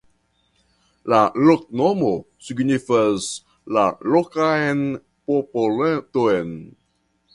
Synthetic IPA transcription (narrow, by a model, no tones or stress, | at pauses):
lalok̚nomo | siɡnifəz | lalokaen | popoltoen